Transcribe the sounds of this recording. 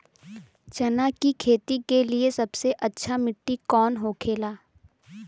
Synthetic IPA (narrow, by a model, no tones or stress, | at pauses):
t͡ʃɐnaːkikʰeːt̪ikeliesɐbseʔɐtːʃʰamɪʈːikɔːnɦokʰeːlaː